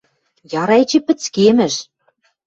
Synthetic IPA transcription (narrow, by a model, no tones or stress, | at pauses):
jɑɾɑet͡ɕĕpɘ̆t͡skemɘ̆ʃ